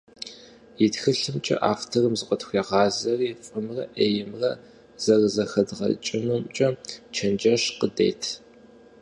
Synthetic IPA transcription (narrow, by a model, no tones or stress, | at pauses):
jɪtxɨɬɨmt͡ʃʼɐ̰ʔa̰ːftʰɐrɨmzɨqʷʼɔtxʷeʁɑːzɐrifʼɨmrɐ̰ʔeːjɪmrɐ | z̥ɐrzɐxɐdʁɐ̰t͡ʃʼɪnumt͡ʃʼɐt͡ʃʰɐnd͡ʒɐɕqədḛːtʰ